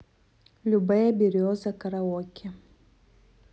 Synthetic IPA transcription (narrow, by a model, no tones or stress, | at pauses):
lubajabiɾiɔzakaɾawɔkʰʲa